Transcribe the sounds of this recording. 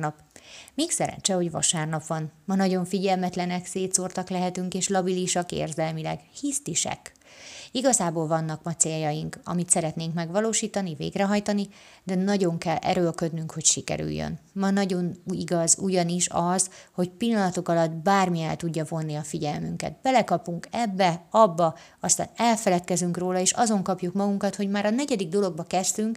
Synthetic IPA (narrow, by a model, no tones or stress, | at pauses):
nɒp | miːksɛɾɛ̰ɲt͡ʃɛho̞ɟvɒ̰ʃaːrnɒpʋɒnmɒnɒɟo̞ɱfiɟɛlmɛt̪lɛnɛkseːt̪sort̪ɒklɛɦɛt̪yŋkeːʃlɒbiliʃɒkḛːrzɛlmilɛ̰ɡhist̪iʃɛ̰k | iɡɒzaːboːlvɒnːɒkmɒt̪seːljɒjiŋkɒ̰mit̪sɛɾɛt̪neːŋkmɛɡʋɒloːʃiːt̪ɒnivḛːɡrɛɦɒjt̪ɒni | d̪ɛnɒɟo̞ŋkɛlɛ̰ɾølkø̞d̪nyŋkho̞cʃikɛ̰ɾy̰jːø̰nmɒnɒɟo̞niɡɒzuɟɒniʃɒzho̞cpilːɒnɒt̪o̞kɒlɒd̪baːrmiɛlt̪uɟːɒvo̞nːiɒfiɟɛlmyŋkɛ̰t̪bɛlɛkɒpuŋkɛbːɛɒbːɒ | ɒst̪a̰ːnɛlfɛlɛt̪kɛzyŋkroːlɒeːʃɒzo̞ŋkɒpjukmɒɡuŋkɒt̪ho̞ɟmaːɾɒnɛɟɛd̪iɡ̚d̪o̞lo̞ɡ̚bɒkɛst̪yŋk